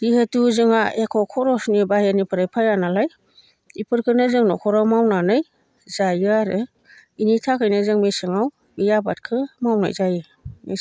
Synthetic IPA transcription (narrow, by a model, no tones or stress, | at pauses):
dihetuzɯŋaekʰɔkʰɔɾɔsnibahenipʰɯɾajpʰajanalaj | ipʰɯɾkʰɯnɯzɯŋnɔkʰɔɾawmawnanɯj | zajɯaɾɯ | initʰakʰɯjnɯzɯŋmesɯŋaw | bijaba̰t̚kʰɯmawna̰jzajɯ | me